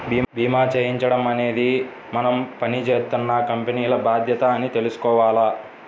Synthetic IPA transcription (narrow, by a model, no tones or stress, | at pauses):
biːbiːmaːt͡ʃeːjiɲt͡ʃɐɽɐmɐne̞ːd̪i | mɐnɐmpɐnit͡ʃeːt̪unːɐkɐmpeniːlɐbaːd̪ʱjɐt̪ɐːnit̪e̞lusu̥kɔːʋaːlɐː